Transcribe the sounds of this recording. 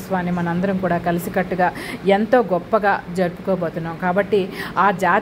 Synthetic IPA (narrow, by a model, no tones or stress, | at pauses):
sʋaːnimɐnɐmɐnd̪ɐɾɐmkuːɽaːkɐlisikɐʈːuɡaːent̪o̞ːɡɔpːɐɡaːd͡ʒɐɾupu̥koːboːt̪unːaːmkaːbɐʈːiaːd͡ʒaː